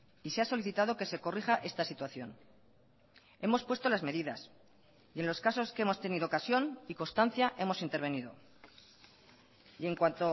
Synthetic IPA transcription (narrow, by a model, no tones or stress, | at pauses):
iseaso̞liθit̪aðo̞ke̞se̞ko̞riɣaʔe̞st̪asit̪waθjo̞n | e̞mo̞spwe̞st̪o̞lazme̞ðiðas | ienlo̞skaso̞skeemo̞st̪e̞niðokasjo̞niko̞nst̪an̟θjaʔe̞mo̞sint̪e̞ɾβe̞nið̞o̞̰ | e̞ŋkwant̪o̞